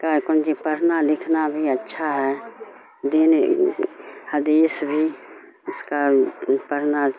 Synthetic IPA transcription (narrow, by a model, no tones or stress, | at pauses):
kaɾkənd͡ʒipəɾnalɪkʰnabʱiətːʃʰaɦɛ | d̪ɪn | həd̪iːsbʱi | ʊskapəɾna